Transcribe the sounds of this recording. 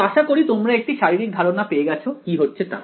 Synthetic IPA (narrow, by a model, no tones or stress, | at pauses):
aʃakoɾit̪omɾaek̚ʈiʃaɾiɾik̚d̪ʱaɾonapeeɡɛt͡ɕʰokiɦotːɕʰet̪a̰